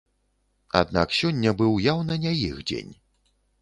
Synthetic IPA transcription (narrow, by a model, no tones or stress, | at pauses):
a̰d̪na̰ksʲɔnʲːɐbɨwjawnɐnʲajixd͡zʲḛnʲ